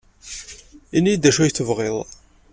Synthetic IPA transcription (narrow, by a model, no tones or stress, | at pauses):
inːid̪æʃæjθəvʁeðˤ